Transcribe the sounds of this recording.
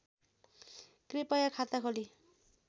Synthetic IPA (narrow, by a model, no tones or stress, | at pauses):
krepʌjakʰat̪akʰoli